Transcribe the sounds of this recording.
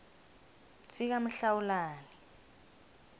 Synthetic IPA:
sʰik̬am̩ɬawulaːni

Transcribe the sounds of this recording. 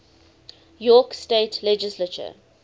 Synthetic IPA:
jɔːksteːtʰlɛd͡ʒɪslət͡ʃə̰

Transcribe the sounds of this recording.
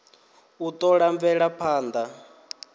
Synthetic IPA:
ut̪ʼɔɺaɱvɛɺapʰaːnd̪a

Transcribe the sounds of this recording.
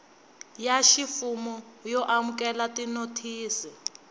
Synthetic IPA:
jaʃifumɔjɔʔamukɛlatinotʰiːsi

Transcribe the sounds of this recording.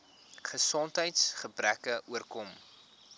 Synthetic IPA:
χəsɔntɦəjtsχəbrækəʔuərkɔm

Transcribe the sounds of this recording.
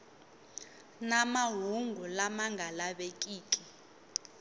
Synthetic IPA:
namaɦuŋɡʱulamaŋɡʱalaɓekʼiːt͡ɬʼi

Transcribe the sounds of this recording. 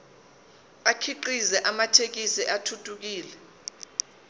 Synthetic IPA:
akʰiǃizɛʔamatʰek̬isɛʔatʰutʰʼuk̬iːlɛ

